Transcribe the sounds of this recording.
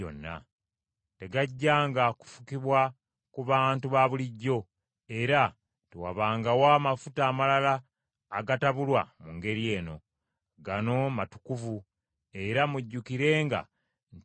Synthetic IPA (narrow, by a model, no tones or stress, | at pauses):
o̰nːa̰ | te̞ɡaɟːaːŋɡaku̥fu̥kiβwa | kuβaːntuβaβuliɟːo̞ | e̞ɾa | tewa̰βaːŋɡawaːmafutaːmalalaː | ɡataβulwamuŋɡe̞ɾie̞ːno̞ | ɡano̞matu̥kuvu | e̞ɾamuɟːukiɾe̞ːŋɡa̰ | n